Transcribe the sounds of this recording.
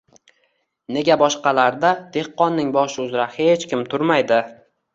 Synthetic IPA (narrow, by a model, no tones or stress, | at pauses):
ne̞ɡʲabɒʃqɑlaɾd̪ad̪̥e̞hqːɒnːɪŋbɒʃɪʊzɾahe̞t͡ʃkʲɪmt̪ʰʊɾmajd̪ɪ